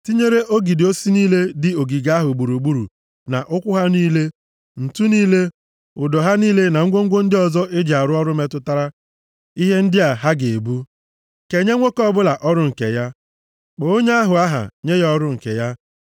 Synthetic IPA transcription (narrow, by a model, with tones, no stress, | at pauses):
ti˦ɲe˦ɾe˦ʔo˦ɡi˨dɪ˨o˦si˦niː˦le˦dɪ˨o˨ɡi˨ɡa˦a˦ɦʊ˨ɡ͡bu˨ɾu˨ɡ͡bu˦ɾṵ˨ | na̰˨ʔʊ˦kʷʊ˦ɦa˦niː˦le˦ | n̩˨tu˦niː˦le˦ | ʊ˨dɔ˨ɦa˦niː˦le˦na˨ŋ̩˦ɡʷo˦ŋ̩˦ɡʷo˦n̩˦dɪ˦ɔ˨zɔ˦ʔɪ˦d͡ʒa˨ɾʊ˦ɔ˦ɾʊ˦me˦tʊ˦ta˦ɾa˦ | i˦ɦe˦n̩˦dɪ˦a˨ɦa˦ɡe˨e˨bu˦ | ke˨ɲe˦ŋʷo˦kɔ˦bʊ˦la˨ʔɔ˦ɾʊ˦ŋ̩˨kḛ˨ja˦ | k͡po˨o˦ɲe˦a˦ɦʊ˨a˦ɦa̰˨ɲe˦jɔ˦ɾʊ˦ŋ̩˨kḛ˨ja˦